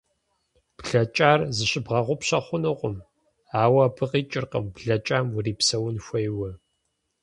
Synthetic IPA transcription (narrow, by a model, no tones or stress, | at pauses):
b̥ɮɐt͡ʃʼaːrzɨɕɪbʁɐʁʷʊpɕɐχʷʊnɨqʷʼʊm | aːwɐbʰɨqʼiːt͡ʃʼɪrqɐ̰mbɮɐt͡ʃʼaːmwʊriːpsɐwʊnxʷɐjwɐ